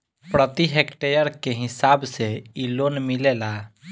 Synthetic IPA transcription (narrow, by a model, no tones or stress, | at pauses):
pɾət̪iɦekʈejəɾkeɦisabseilonmilela